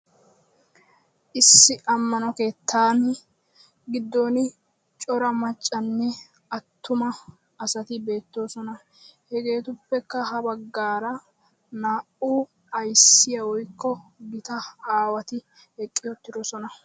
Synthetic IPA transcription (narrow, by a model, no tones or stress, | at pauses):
ʔɪsːɪʔɐmːɐnɔke̞ːt̪ːaːn | ɡɪd̪ːo̞ːnɪ | t͡ʃʼɔɾɐmɐt͡ʃʼːɐnːɛ | ɐt̪ːʊmɐː | sɐt̪ɪbe̞ːt̪ːoːsɔnɐ | hɛɡe̞ːt̪ʊpːɛkːɐɦɐbɐɡːaːɾɐ | naːʔuː | ɐjsːɪjɐwɔjkːɔɡɪt̪ɐaːwɐt̪ɪ | ɛkʼːɪjɔt̪ːɪd̪ɔsɔnɐ